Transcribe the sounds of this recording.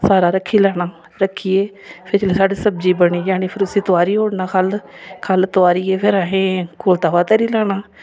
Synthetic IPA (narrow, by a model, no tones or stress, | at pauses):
saːɾaːɾəkʰːiːlɛːɽaː | ɾəkʰːiːeː | pʰɪɾt͡ʃleːsaːɖeːsəb̚d͡ʒiːbəɳiːjaːniːpʰɪɾʊsiːt̪ʊaːɾiːoːɽnaːkʰəlkʰəlt̪ʊaːɾiːeːpʰɪɾaːɦẽːkoːlt̪aːʋaːt̪ɛːɾiːlɛːɽaː